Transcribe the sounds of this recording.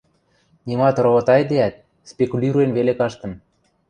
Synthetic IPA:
nʲimɑt̪ɾoβot̪ɑjd̪eæt̪̚ | spʲekulʲiɾuenβelekɑʃt̪ɤ̆n

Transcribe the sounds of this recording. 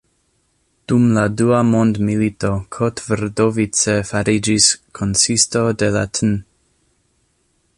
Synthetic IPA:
d̥umladuamondmilito̞kʰotveɾdovit͡sefaɾid͡ʒiskʰonsisto̞de̞latʰn

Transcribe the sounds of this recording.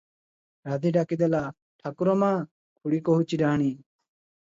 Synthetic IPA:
ɾad̪iɖakid̪ela | ʈʰakuɾomãː | kʰuɽikoɦut͡ʃiɖaːñiː

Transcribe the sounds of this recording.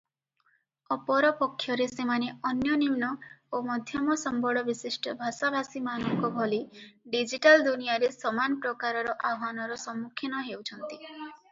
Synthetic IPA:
ɔpɔɾɔpɔkʰːjɔɾesemaneɔnjɔnimnɔomɔd̪ʱjɔmɔsɔmbʱɔɭɔbisisʈɔbʱasabʱasimanɔŋkɔbʱɔliɖid͡ʒiʈald̪unijaɾesɔmanɔpɾɔkaɾɔɾɔʔaɦanɔɾɔsɔmːukʰːjinɔɦewt͡ʃʰɔnt̪i

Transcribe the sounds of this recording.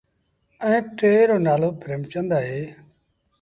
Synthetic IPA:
ə̃ẽːt̪eːɾoːnaːloːpɾeːmt͡ʃə̃nd̪aːɦeː

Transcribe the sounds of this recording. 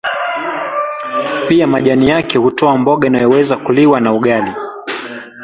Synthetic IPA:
piamaʄanijakɛhutɔambɔɠainajɔwɛzakuliwanauɠali

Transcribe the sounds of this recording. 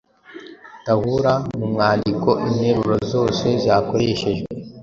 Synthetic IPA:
tahuɾamumŋaːndiko̞ʔimɲeɾuɾo̞zo̞ːse̞zjaːko̞ɾe̞ʃe̞ʒɡe

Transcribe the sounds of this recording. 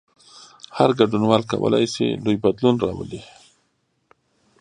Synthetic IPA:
haɾɡaɖunwɑlkawə̰lajsḛlujbad̪lunɾɑwəli

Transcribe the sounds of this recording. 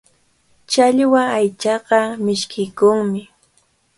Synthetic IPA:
t͡ʃaʎwaajt͡ʃɑqɑmɪʃkʰɪjkʊŋmɪ

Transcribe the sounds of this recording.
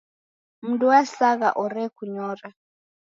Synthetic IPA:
m̩ntʼuwasaɣa̰ʔɔɾɛkʰuɲɔːra

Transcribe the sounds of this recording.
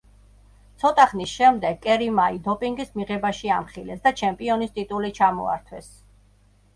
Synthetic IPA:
t̪sʰɔt̪ʼaχnisʃɛmd̪ɛɡ̚kʼɛɾimaid̪ɔpʼiŋɡismiʁɛbaʃiamχilɛsd̪at͡ʃʰɛmpʼiɔnist̪ʼit̪ʼulit͡ʃʰamɔ̰a̰ɾt̪ʰwɛs

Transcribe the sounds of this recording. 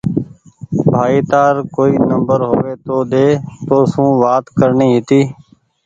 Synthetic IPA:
bʱaːiːt̪aːɾkoːiːnəmbəɾɦoːʋeːt̪oːɗ̪eːt̪oːsũːʋaːt̪kəɾɳiːɦɪt̪iː

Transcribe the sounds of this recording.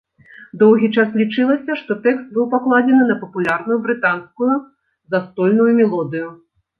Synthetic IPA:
d̪ɔwɣʲit͡ʂaslʲit͡ʂɨlˠɐsʲɐʂt̪ɔt̪ɛkst̪̚bɨwpaklˠad͡zʲɛnɨnɐpɐpulʲarnujubɾɨt̪anskuju | zast̪ɔlʲnujumʲɛlˠɔd̪ɨju

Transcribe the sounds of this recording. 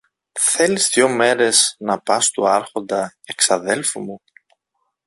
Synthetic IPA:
θe̞lizðjo̞me̞ɾe̞znɐpɐst̪uɐɾxo̞nd̪ɐeksɐðe̞lfumu

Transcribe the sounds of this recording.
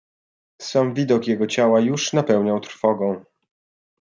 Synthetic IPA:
samvʲid̪ɔkjɛɡɔt͡ɕawajuʂnapɛwɲawt̪ɾfɔɡɔ̃w̃

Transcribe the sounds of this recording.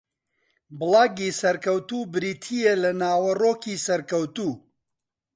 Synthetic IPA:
bɨlaːɡiːsɐɾkɐwt̪uːbɨɾiːt̪ʰijelɐnaːwɐroːkiːsɐɾkɐwt̪uː

